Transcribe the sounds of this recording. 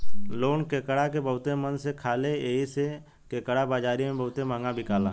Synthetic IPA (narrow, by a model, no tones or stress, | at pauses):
loːnkeːkəɽakebəɦʊt̪emənsekʰaːleeːise | keːkəɽabaːd͡ʒaːɾimẽbəɦʊt̪emãːŋɡabʱɪkaːla̰ː